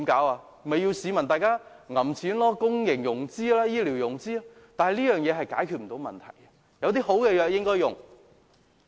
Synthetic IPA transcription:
i˨˧˥mkaː˨˥waː˧ | mɐ˨jiː˧wsiː˨˧mɐ˨˩nt̪aː˨jkaː˥ŋɐ˨˩mt͡sʰiː˨˥nlɔː˥kʊ˥ŋjɪ˨˩ŋjʊ˨˩ŋt͡siː˥laː˥jiː˥liː˨˩wjʊ˨˩ŋt͡siː˥a˥ | t̪aː˨nhɐ˨jliː˥jœː˨˩ŋjɛː˨˧ɦɐ˨jkaː˨˥jkʰyː˧t̚m̩˨˩t̪o˨˧˥wmɐ̰˨nt̪ʰɐ̰˨˩jɐ˧ | jɐ˨˧wt̪iː˥ɦo˨˥wkɛ˧jœː˧k̚jɪ˥ŋkɔː˥jʊ˨˩ŋ

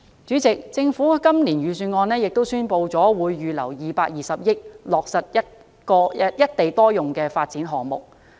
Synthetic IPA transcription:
t͡syː˨˥t͡sɪ˨k̚t͡sɪ˧ŋfuː˨˥kɐ˥mliː˨˩nɥyː˨˧syː˨˧nŋɔː˧nɛː˥jɪ˨k̚t̪o˥wsyː˥npo˧wt͡sɔː˨˥wuː˨˧jːyː˨˧lɐ̰˨˩wjiː˨˧paː˧k̚jiː˨sɐ˨p̚jɪ˥k̚lɔː˨k̚sɐ˨t̚jɐ˥t̚ | kɔː˧jɐ˥t̚t̪e˨jt̪ɔː˥jʊ˨ŋkɛː˧faː˧t̚t͡siː˨˥nɦɔː˨ŋmʊ̰˨k̚

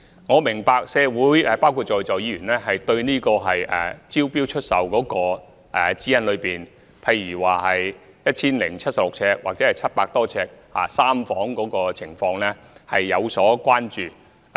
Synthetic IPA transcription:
ŋɔː˨˧mɪ˨˩ŋpaː˧k̚sɛː˨˧wuː˨˥jɛː˧˩paː˥wkʰu˧t̚t͡ʃɔː˨jt͡sɔː˨jiː˨˥jyː˨˩nlɛː˥ɦɐ˨jt̪ɵ˧ɥniː˥kɔː˧ɦɐ˨jɛ˨t͡siː˥wpiː˥wt͡ʃʰɵ˥t̚sɐ˨wkɔː˨˧˥kɔː˧ | ʔɛ˨t͡siː˥jɐ˥nlɵ˨˧ɥpiː˨˩n | pʰɐ˧jɥyː˨˩waː˨ɦɐ˨j | jɐ˥t̚t͡ɕʰiː˥nlɪ˨˩ŋt͡sʰɐ˥t̚sɐ˨p̚lʊ˨k̚t͡sʰɛː˧k̚wa̰ː˨k̚t͡sɛː˨˦˥hjt͡sʰɐ˥t̚paː˧k̚t̪ɔː˥t͡sʰɛː˧k̚ha̰ː˨saː˥mfɔː˨˥ŋkɔː˨˥kɔː˧t͡sʰɪ˨˩ŋfɔː˧ŋlɛː˥ | hɐ̰˨jːɐ˨˧wsɔː˨˥kʷwʷaː˥nt͡ʃyː˨˩

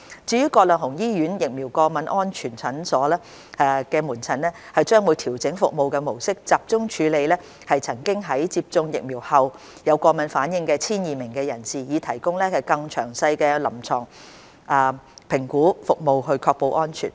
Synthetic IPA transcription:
t͡siː˨˧jyː˥kɔː˧lœː˨˩ŋɦʊ˨˩ŋjiː˥ɥyː˨˥njɪ˨k̚mi˨˩wkɔː˧mɐ˨˥nʔɔː˥nt͡ʃʰyː˨˩nt͡sʰɐ˨˥nsɔː˨˥lɛː˥ | ɛ˨kɛː˧muː˨˩nt͡sʰɐ˨˩nlɛː˥ | hɐ˨jt͡ʃœː˥ŋwu˨˧jt̪ʰiː˨˩wt͡sɪ˨˥ŋfʊ˨k̚mo˨wkɛː˧mo˨˩wsɪ˥k̚t͡saː˨p̚t͡sʊ˥ŋt͡ʃʰyː˨˧le˨˧jlɛː˥ | hɐ˨jt͡sʰɐ˨˩ŋkɪ˥ŋɦɐ˨˥jt͡siː˧p̚t͡sʊ˧ŋjɪ̰˨k̚miː˨˩whɐ˨w | jɐ˨˧wkɔː˧mɐ˨˥nfaː˨˥njɪ˨˧ŋkɛː˧t͡sʰiː˥njiː˨mɪ˨˩ŋkɛː˧jɐ˨˩nsiː˨˩jiː˨˧t̪ʰɐ˨˩jkʊ˥ŋlɛː˥ɐ˨jkɐ˧ŋt͡ʃʰœː˨˩ŋsɐ˧jkɛː˧lɐ˨˩mt͡sʰɔ̰ː˨˩ŋ | ʔɐː˨˩pʰɪ˨˩ŋkuː˨˥fʊ˨k̚mo˨˧wɦɵ˧ɥkʰɔː˧k̚po˧wʔɔː˥nt͡ʃʰy̰˨˩n

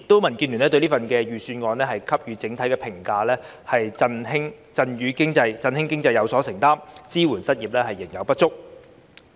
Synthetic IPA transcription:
t̪ːo˥wmɐ˨˩nkiː˧nlyː˨˩nlɛː˥t̪ɵ˧ɥliː˥fɐ˨nkɛː˧jyː˨˧syː˧nŋɔː˨˧nlɛː˥hɐ˨jkʰɐ˥p̚jyː˨˧t͡sɪ˨˥ŋt̪ʰɐ˥jkɛː˧pʰɪ˨˩ŋkaː˧lɛː˥ | hɐ˨jt͡sɐ˧nɦɪ˥ŋ | t͡sɐ˧nɥyː˨˧kɪ˥ŋt͡sɐ˧jt͡sɐ˧nhɪ˥ŋkɪ˥ŋt͡sɐ˧jɐ˨˧wsɔː˨˥sɪ˨˩ŋt̪aː˥mt͡siː˥wu˨˩nsɐ˥t̚jiː˨˩p̚lɛː˥hɐ˨jːɪ˨˩ŋjɐ˨˧wpɐ˥t̚t͡ʃʊ˥k̚

